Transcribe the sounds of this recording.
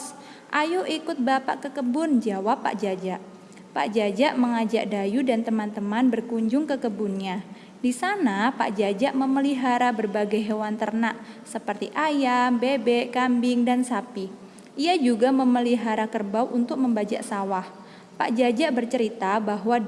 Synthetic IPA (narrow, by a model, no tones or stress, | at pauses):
ʔajuʔikʊt̪̚bapa̰ʔkəkəbʊnd͡ʒawapːa̰ʔd͡ʒad͡ʒaʔ | pa̰ʔd͡ʒad͡ʒaʔməŋad͡ʒaʔdajudant̪əmant̪əmanbərkuɲd͡ʒʊŋkəkəbunɲa | disanapa̰ʔd͡ʒad͡ʒaʔməməliɦaɾabərbaɡajɦewant̪ərnaʔ | səpərt̪iʔajambebɛʔkambɪŋdansapi | ʔiad͡ʒuɡaməməliɦaɾakərbawʔunt̪ʊk̚məmbat͡ʃa̰ʔsawah | pa̰ʔd͡ʒad͡ʒaʔbərt͡ʃəɾit̪abaɦwa